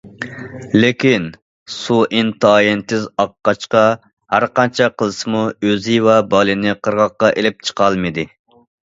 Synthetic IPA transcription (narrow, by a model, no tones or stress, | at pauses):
lɪkʲin | suʔint̪ʰɑːjent̪ɪzɑqːɑt͡ʃqɑ | hæɾqɑnt͡ʃʰɛqʰəlˠɨsɨmuøzɪvɛbɑlˠɨnɪqʰəɾʁɑqːɑʔelɪp̚t͡ʃʰə̥qʰɑlˠmɨd̪ɪ